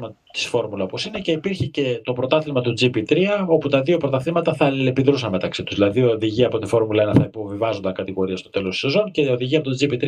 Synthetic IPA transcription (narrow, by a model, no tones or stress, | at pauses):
mɐ | t̪i̥sfo̞ɾmulɐopo̞sine̞ceipiɾçice̞t̪o̞pɾo̞t̪ɐθlimɐt̪ud͡zipit̪ɾiɐo̞put̪ɐðio̞pɾo̞t̪ɐθimɐt̪ɐθɐlilepiðɾusɐnme̞t̪ɐksit̪u̥zðilɐðioðiʝiɐpo̞t̪ifo̞ɾmulɐenɐθɐipo̞vivɐzo̞nd̪ɐŋkɐt̪iɣo̞ɾiɐst̪o̞t̪e̞lo̞st̪u̥se̞zo̞nce̞o̞ðiʝiɐpot̪od͡zipit̪ɾ